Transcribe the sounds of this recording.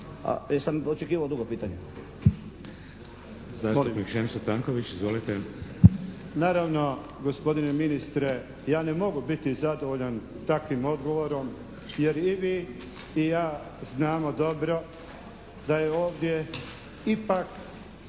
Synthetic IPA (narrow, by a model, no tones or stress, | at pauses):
a̰samot͡ʃekiːʋaod̪uɡopiːt̪aɲe | zaːsonikʒemsot̪aŋkoʋit͡ɕizʋo̞lit̪e | naːɾaʋno̞ | ɡospo̞d̪ine̞minist̪ɾe̞ | jaːne̞mo̞ɡubit̪izad̪oʋoʎan | t̪akʋimo̞d̪ɡo̞ʋo̞ɾo̞m | je̞ɾiʋiː | jaː | znaːmo̞d̪o̞bɾo̞ | d̪ajeo̞ːʋd̪je̞ | ipak